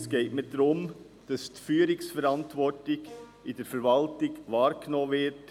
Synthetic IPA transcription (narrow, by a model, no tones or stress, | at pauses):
sɡ̥eɪtmɪdɾʊm | d̥ɑsdfyːəɾɪksfɛɾɑntvɔɹtlɪç | ɪd̥ɛɾfɛɾvɑltɪɡvɑːɾɡ̥noːvɪt